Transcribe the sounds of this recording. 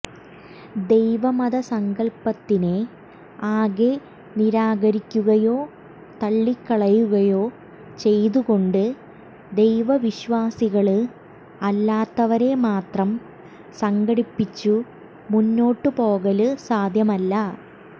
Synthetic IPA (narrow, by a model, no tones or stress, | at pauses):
d̪e̞jʋɐmɐðɐsɐŋɡɐɭpɐt̪ːine | aːɣe | niɾaːɣɐɾikʲːuɣɐjo̞ː | t̪ɐɭːikːɐɭɐjuɣɐjo̞ː | t͡ɕe̞jt̪uɣo̞ɳɖɨ | d̪e̞jʋɐʋiɕʋaːsiɣɐɭɨ | ɐlːaːt̪ːɐʋɐɾe̞maːt̪rɐm | sɐŋɡɐɽipːit͡ɕːu | munːo̞ːʈːɨpo̞ːɣɐlɨsaːd̪ʱjɐmɐlːɐ